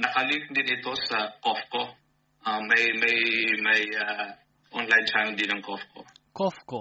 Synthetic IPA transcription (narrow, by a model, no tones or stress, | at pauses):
nɐkɐlɪk̪̚d̪ɪnɪt̪o̞sɐkofko | ʔamɐjmɐjmɐja | ʔonlajnt͡ʃanld̪ɪnɐŋkofko̰kofko